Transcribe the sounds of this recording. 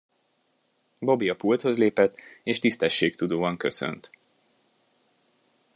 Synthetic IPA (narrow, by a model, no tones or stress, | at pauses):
bo̞biɒpult̪ho̞zleːpɛt̪ːeːʃt̪ist̪ɛʃːeːkt̪ud̪oːɒŋkø̞sø̰nt̪